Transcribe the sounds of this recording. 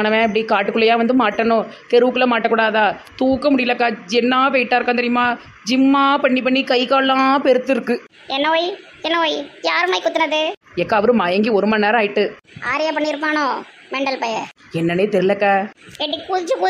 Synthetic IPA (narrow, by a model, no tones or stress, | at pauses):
ɐnɐʋẽːɐp̬ːɐɽikaːʈːɯkːɯɭːɐjãːʋɐnd̪ɯmaːʈːɐnõt̪ɛɾɯʋɯkːɯlɐmaːʈːɐkuːɽaːðãːt̪uːkːɐmʊɽɪjɪlɐkːaːd͡ʒɛnːaːpɛɪʈːaːɾɯkːãːnt̪ɐɾɪjmaː | d͡ʒɪmːaːpɐɳːip̬ɐɳːikɐɪkaːɭlãːpɛɾɯt̪ːɯɾɯkːɯ | ɛnːɐoːj | ɛnːɐoːjjaːɾɯmaːjkʊt̪ːɐnɐðɯ | ɛkːaːʋɐɾɯ̃maːjɐŋɡiɔɾɯmaːneːɾaːjɪʈːɯ | aːɾɪjaːpɐɳːɪɾɯp̬ːaːnõː | mɛɳɖɐlpɐjɐ | ɛnːɐneːt̪ɛɾɯlɐkːaːɛʈːɪkːpuðɪt͡ʃːɯpu